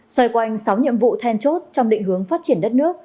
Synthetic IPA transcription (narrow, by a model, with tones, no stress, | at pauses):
swə˧jkwa˧jŋ̟sa˨˦wɲḭ˧˨əmvṵ˧˨t̪ʰɛ˧nt͡ɕo˦˥t̚t͡ɕɔ˧wŋ͡mɗḭ̈˧˨ŋɦɨ˨˦əŋfaː˦˥t̚t͡ɕi˧˩ənɗə˦˥t̚nɨ˦˥əkk̚